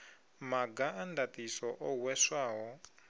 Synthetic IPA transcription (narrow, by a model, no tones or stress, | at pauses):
maɡaʔandat̪isɔʔɔwɛswaːɦɔ